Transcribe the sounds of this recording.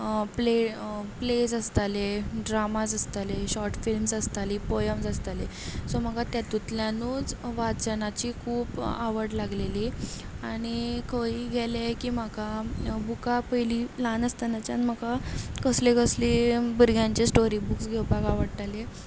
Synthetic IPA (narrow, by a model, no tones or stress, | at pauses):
plepled͡zəst̪aleɖɾamad͡zəst̪aleɕɔɾʈfilmsəst̪aliːpojəmsəst̪ale | sɔm̤əkat̪jat̪ut̪ljanuːd͡zʋat͡sənat͡ɕiːkʰuːpa̰ʋəɽlaɡleli | aɽ̃ikʰəiɡʱɛlekiːm̤akabukapəjlilanəst̪anat͡ɕanm̤əkakəslekəslibəɾɡʱjãɲt͡ɕesʈoɾibuksɡʱewpakaʋəɽt̪ale